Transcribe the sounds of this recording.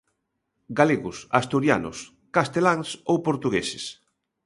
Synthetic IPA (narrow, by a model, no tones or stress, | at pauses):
ɡaleɣʊsast̪uɾjanʊ̰s | kast̪elaŋsowpoɾt̪uɣesɪs